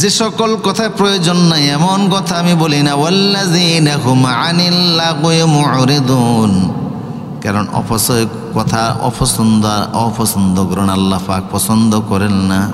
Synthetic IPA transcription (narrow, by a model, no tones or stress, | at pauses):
zesɔkɔlkɔt̪ʰapɾɔjod͡ʒɔnːajɛmɔnkɔt̪ʰaamibolinawalːaziːnaɦʊmʕanilːaɡmʊʕɾid̪uːn | kaɾɔnɔ̰pʰɔsɔ | kɔt̪ʰaɔ̰pʰɔsɔnd̪aɾɔpʰɔsɔnd̪ʱɔkɔɾɔɽ̃alːapak̚pɔsɔnd̪ʱɔkɔɾelna